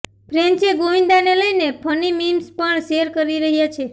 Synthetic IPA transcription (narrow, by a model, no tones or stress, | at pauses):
pɾent͡ʃeɡoʋĩnd̪aneləjnepʰənimimspəɳʃeɾkəɾiɾəɦjat͡ʃʰe